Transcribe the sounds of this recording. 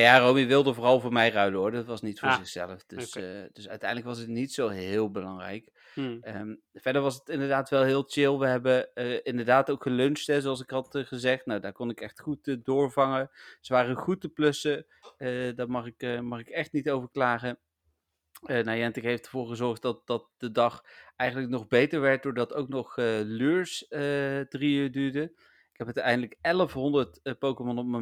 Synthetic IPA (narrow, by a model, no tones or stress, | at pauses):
jaːrowmiʋɪlˠdəvoːrɑlˠvʊːɹmɛjrœɥdəɦʊɹdɑtʋɑsnitfʊɹzɪxsɛ̰ləfd̥əsd̥ɵsœɥtɛjndləkʋɑsətnitsowɦɪːlˠbəlɑŋrɛ̰jk | əm | vɛdəɹʋɑsətɪndəɹdaːtʋɛlˠɦɪːlˠt͡ʃɪlˠʋəɦɛbəɪndəɹdaːtowkχəlɵnstɦɛzoɑlˠs̬ɪkɦɑtχəzɛχtnawdaːɹkɔnɪkɛχtχutːdʊːɹvɑŋəsəʋaːrəχutəplɵsə | daɹmɑχɪkmɑχɪkɛχtnitowvəɹklaːχə | ənawɛntɪkɦejftəɹvoːɹχəzɔɹχt̚dɑt̚dɑt̚d̥ədɑχɛjχəndləknɔχbejtəɹʋɛɹt̚dʊːɹdɑtowknɔχəlyːɹsətriyɹdyːɹdə | ɪkɦɛpətɛjndələkɛləfɦɔndəɹtpowkəmɔnɔp̚mə